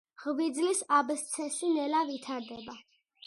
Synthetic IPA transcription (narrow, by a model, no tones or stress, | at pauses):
ʁvid̪zlisabst̪sʰɛsinɛlavit̪ʰaɾd̪ɛba